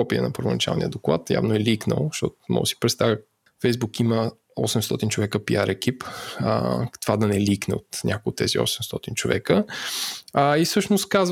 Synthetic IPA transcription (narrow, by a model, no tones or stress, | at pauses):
ɔpiə̰nɐpəɾvonɐt͡ʃa̰lˠnijəd̪oklˠa̰t̪ja̰vnoɛliknə̰lˠʃt̪ɔ̰t̪ʊmɔ̰si̥pɾɛt̪st̪avʲjə | fɛjzbukimə | ɔsɛmst̪ɔt̪int͡ʃovɛkəpiaɾʔɛkip | t̪ovad̪ɐnɛliknɛ̰ot̪nʲʔakoʊt̪ːɛziɔ̰sɛmst̪ɔt̪int͡ʃovɛkə | isɤʃnost̪kaz